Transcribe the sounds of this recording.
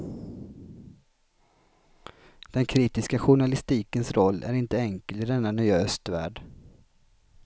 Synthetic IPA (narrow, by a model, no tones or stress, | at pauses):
d̪̥ɛnkʰɾiːt̪ɪskaɧʊɳalɪst̪iːkənsɾɔlːʔæ̰ɾɪnt̪əɛŋkəlt̪ɪd̪ɛnːanʏøœst̪væ̰ːɖ